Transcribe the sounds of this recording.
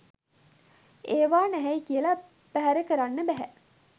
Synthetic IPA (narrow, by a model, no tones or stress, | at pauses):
eːʋaːnæɦæikiəla | pæɦæɾəkəɾanːəbæɦæ